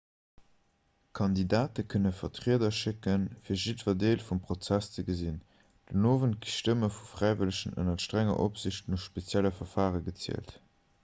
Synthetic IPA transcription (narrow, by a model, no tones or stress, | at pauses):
kʰɑndidaːtəkʰənəfɐtʁiədɐʃɪkənfiːɐʒidvɐdeːlfumpʁ̥ot͡sæst͡səɡəzin | d̥ənoːvənt̚ɡ̥iʃtəməfufʁ̥æɪvələʃənə̰nɐʃtʁæŋɐ̰ʔopz̥iɕtnufʃpet͡sjæləfɐfaːʁəɡət͡sḭəlt